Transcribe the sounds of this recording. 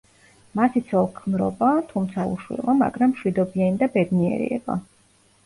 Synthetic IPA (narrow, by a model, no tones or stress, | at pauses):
masit̪sʰɔlˠkʰmɾɔ̰bat̪ʰumt̪sʰaṵʃwḭlˠama̰ɡɾamːʃwid̪ɔbianid̪abɛd̪niɛ̰ɾḭɛ̰ba̰